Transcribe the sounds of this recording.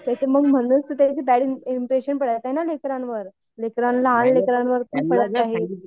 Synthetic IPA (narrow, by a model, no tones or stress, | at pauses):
t̪at͡ɕeməɡm̤əɽ̃uːst̪ət̪jat͡ɕiːbæɽiimpɾeɕənpəɽət̪aɦenalekɾãnʋəɾ | lekɾanlanlekɾãnʋəɾt̪ũːpəɽət̪aɦe